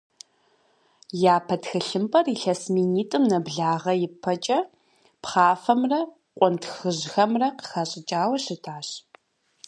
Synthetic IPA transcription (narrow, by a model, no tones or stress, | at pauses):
jaːpʰɐtxɨɬɨmpʼɐriɬɐsmiːniːtʼɨmnɐbɮaːʁɐjɪpʰːɐt͡ʃʼɐ | pχaːfɐmrɐ | qʷʼɔntxɨʑxɐmrɐqə̥xɐɕʼɪt͡ʃʼaːwɐɕɪtʰaːɕ